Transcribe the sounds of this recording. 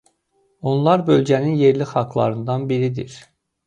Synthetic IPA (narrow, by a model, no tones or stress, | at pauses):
o̞nlˠɑɾbø̞lɟæninje̞ɾlixɑɡlˠɑ̰ɾɯnd̪ɑnbiɾid̪ḭɾ